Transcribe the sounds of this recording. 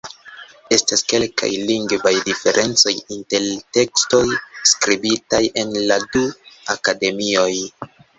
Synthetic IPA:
e̞staske̞lka̰jliŋɡvajdife̞ɾʔe̞nt͡so̞jinte̞lte̞ksto̞jskɾibitajʔe̞nladuakade̞mio̞j

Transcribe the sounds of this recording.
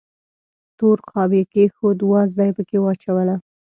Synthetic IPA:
t̪oɾqʰɑbekexod̪wɑzd̪ɑjpəkewɑt͡ʃawəla

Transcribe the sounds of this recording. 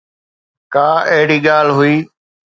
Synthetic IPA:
kaːeɦɪɽiːɠaːlɦʊiː

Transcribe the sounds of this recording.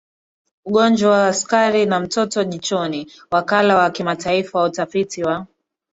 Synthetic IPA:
uɠɔnd͡ʒwawaːskaɾinam̩tɔtɔʄit͡ʃɔni | wakalawakimataifawutafitiwa

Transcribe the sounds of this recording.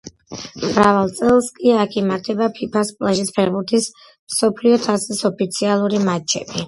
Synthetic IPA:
mɾavalˠt̪sʼɛlˠskʼiakʰimaɾt̪ʰɛbapʰipʰaspʼlˠaʒispʰɛɾbuɾt̪ʰis | msɔpʰliɔt̪ʰasisɔpʰit̪sʰialˠuɾimat͡ʃʰɛ̰bi

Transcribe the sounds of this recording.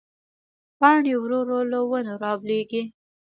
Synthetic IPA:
pɑɳiwɾoɾolowənoɾɑbleɡi

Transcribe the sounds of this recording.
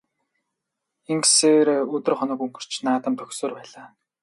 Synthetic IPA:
eŋɡseːɾeːɵt̪ɵ̆rχɔnɞ̆kuŋɡɵ̆r̥t͡ɕnaːt̪ə̆mt̪ʰœxsoːrpæːɮaː

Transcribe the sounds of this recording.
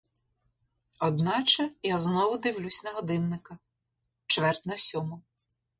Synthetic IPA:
ɔd̪nɑt͡ʃɛjaznɔʋʊd̪ɪwlʲusʲnɐɦɔd̪ɪnːɪkɐ | t͡ʃʋɛrt̪nɐsʲɔmʊ

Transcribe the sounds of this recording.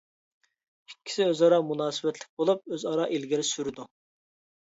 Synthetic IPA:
ikʲʰːi̥sɪøzɑɾɑmunɑːsɪbɛt̪lɪk̚ʲbolˠup̚øzɑɾɑːʔilɡʲiɾɪsyɾɪd̪u

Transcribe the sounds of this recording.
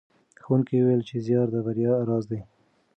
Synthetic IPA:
xwunkiwuwelt͡ʃezjɑɾd̪əbaɾjɑɾɑzd̪ej

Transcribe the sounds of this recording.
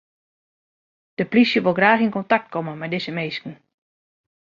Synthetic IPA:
d̥əplisjəʋolˠɡraːxinkɔntak̚t̚kʰɔmənmɛjdɪsəmejskn̩

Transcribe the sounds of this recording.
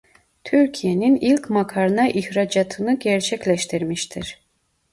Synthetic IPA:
t̪ʰyɾcʰijeninilʲcmakʰaɾɯnɑʔiçɾad͡ʒat̪ʰɯnɯɟɛɾt͡ʃʰɛclʲɛʃt̪ʰiɾmiʃt̪ʰiɾ̥

